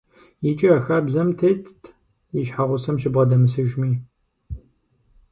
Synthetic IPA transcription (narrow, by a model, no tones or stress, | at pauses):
jɪt͡ʃʼiɐxɐːbzɐmtʰɐːtʰ | jɪʃħaʁʷʊsɐmʃɪbʁɐdɐmɨsɨʒmiː